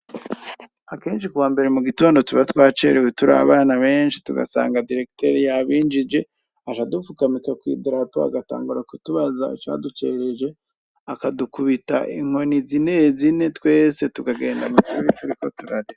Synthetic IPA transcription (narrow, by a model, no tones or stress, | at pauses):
ake̞ːnʃikuwaːmbe̞ɾe̞muɡito̞ːndo̞tuβatwaːt͡ʃeɾewetuɾa̰βaːnaβe̞ːnʃi̥tuɡa̰sa̰ːŋɡadiɾe̞ki̥te̞ɾijaβiːnd͡ʒid͡ʒe̞ | aʃadufukamikakwḭːdiɾatoa̰ɡata̰ːŋɡuɾakutuβazaḭt͡ʃa̰ːdut͡ʃe̞ɾe̞d͡ʒe̞ | akadukuβita̰ʔḭŋo̞nizinezine̞twe̞ːse̞tuɡaɡe̞ːndamut͡ʃuɾituɾiko̞tuɾaɾi